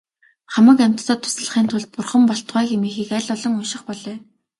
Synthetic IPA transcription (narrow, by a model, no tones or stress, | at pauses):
χamə̆kæm̥ʲt̪ːɔːt̪ʰʊ̥sə̆ɮə̆χiːnt̪ʰʊɮt̪̚pʊrχə̆mpɔɬt̪ʁæːxemiːxiːkæɮʲɔɮɞ̆ŋʊjʃɪ̆χpɔɮœː